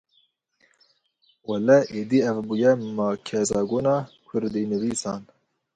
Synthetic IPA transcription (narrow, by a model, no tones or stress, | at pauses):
wɛlɛʔeːd̪iːɛvbujɛmɑːkʰɛzɑːɡoːnɑːkʰʊɾd̪inɨviːsɑːn